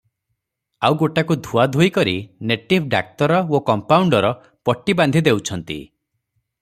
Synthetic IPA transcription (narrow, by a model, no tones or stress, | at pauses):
awɡoʈakud̪ʱuad̪ʱojkɔɾḭneʈip̚ʰɖa̰k̚t̪ɔɾɔokɔmpawɳɖɔɾɔ | pɔʈːiband̪ʱid̪ewt͡ʃʰɔnt̪ḭ